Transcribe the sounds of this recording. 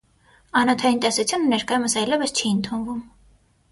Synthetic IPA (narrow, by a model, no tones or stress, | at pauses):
ɑnɔt̪ʰɑjint̪ɛsut͡sʰjunənɛɾkɑjuməsɑjlɛvəst͡ʃʰiənt̪ʰunvum